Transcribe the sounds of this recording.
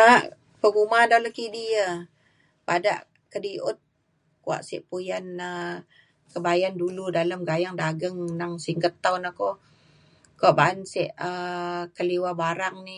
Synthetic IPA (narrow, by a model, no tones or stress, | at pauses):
aʔ | pəɡumadaləkidiə | pada̰ʔ | kədiʔʊ̰t̪̚ | kua̰ʔsɪ̰ʔpujanə | kəbajanduludaləmɡajaŋdaɡəŋnaŋsiŋɡət̪ːawnahko | kuaʔbaansiʔəkəliwabaɾaŋni